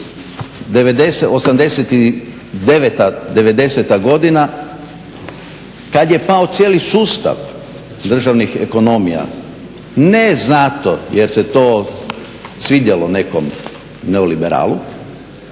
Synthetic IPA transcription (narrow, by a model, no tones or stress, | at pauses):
d̪eʋed̪eseosamd̪e̞set̪i | d̪eʋet̪ad̪e̞ʋe̞d̪e̞set̪aɡo̞d̪ina | kad̪je̞paot̪sjeːlisuːst̪a̰ʋ | d̪r̩ʒaʋnixḛko̞no̞mija̰ | neznat̪o̰jeɾse̞t̪oː | sʋiːd̪jelone̞ko̞m | neolibeɾa̰ːlu